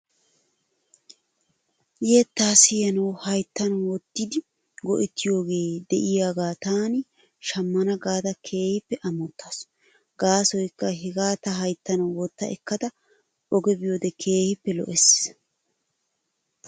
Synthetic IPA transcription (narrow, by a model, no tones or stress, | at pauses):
jeːt̪ːaːsɪjɐnɐwhɐjt̪ːɐnwɔt̪ːɪd̪ɪ | ɡɔʔɛt̪ːɪjo̞ːɡe̞ːd̪ɛʔɪjaːɡaːt̪aːnɪ | ʃɐmːɐnɐɡaːt̪ɐkʰe̞ːhɪpːɛʔɐmɔt̪ʰːas | ɡaːsɔjkːɐɦɛɡaːt̪ɐɦɐjt̪ːɐnɐwɔt̪ːɐ̰ʔɛkːɐt̪ɐ | ɔɡɛbɪjoːd̪ɛkʰe̞ːhɪpːɛlɔ̰ʔɛs